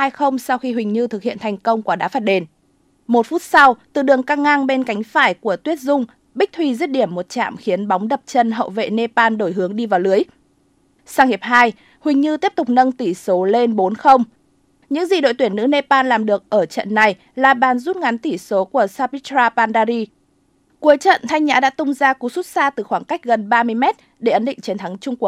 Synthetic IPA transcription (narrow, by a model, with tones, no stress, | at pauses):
aː˧jxə˧wŋ͡msa˧wxi˧ɦwï˨˩ŋ̟ɲɨ˧t̪ʰɨ˨˩k̚hḭ˧˨ənt̪ʰjŋ̟kə˧wŋ͡mkwaː˨˧˩ɗa̰ː˨˦faː˧˥t̚ɗe˨˩n | mo˨˩t̚fu˦˥t̚sa˧wt̪ɨ˨˩ɗɨ˨˩əŋkaː˧ŋaː˧ŋɓe˧nka˨˦jŋ̟faː˧˩jku˧˩ət̪wi˦˥ət̚zʊ˧ŋ͡m | ɓi˦˥k̚t̪ʰwi˧zi˦˥ət̚ɗi˧˩əmːo˨˩t̚t͡ɕa̰ː˧˨mxi˨˦ənɓa˨˦wŋ͡mɗə˨˩p̚t͡ɕə˧nɦə̰˧˨wvḛ˧˨ne˧paː˧nɗo˧˩jɦɨ˨˦əŋɗi˧vaː˨˩wlɨ˨˦əj | saː˧ŋhe˨˩p̚ɦaː˧j | hwï˨˩ŋ̟ɲɨ˧t̪i˦˥əp̚t̪ʊ˨˩k͡p̚nə˧ŋt̪i˧˩so˨˦le˧nɓo˨˦nxə˧wŋ͡m | ɲɨ̰˧˥ŋzi˨˩ɗo̰˧˨jt̪wi˧˩ənːɨ̰˧˥ne˧paː˧nlaː˨˩mɗɨ˨˩ək̚ʔəː˧˩t͡ɕə̰˧˨nːa˨˩j | laː˨˩ɓaː˨˩nzu˦˥t̚ŋa˨˦nt̪i˧˩so˨˦ku˧˩əsaː˧pi˦˥tɾaː˧paː˧nɗaː˧ɾi˧ | ku˨˦əjt͡ɕə̰˧˨nt̪ʰa˧jŋɲa̰ː˧˥ɗa̰ː˧˥t̪ʊ˧ŋ͡mzaː˧ku˨˦su˦˥t̚saː˧t̪ɨ˨˩xwaː˧˩ŋka˦˥jk̟̚ɣə˨˩nɓaː˧mɨ˧əjmɛ˦˥t̚ | ɗe˧˩ʔə˨˦nɗḭ̈˧˨ŋ̟t͡ɕi˨˦nt̪ʰa˨˦ŋt͡ɕʊ˧ŋ͡mku˨˩ək̚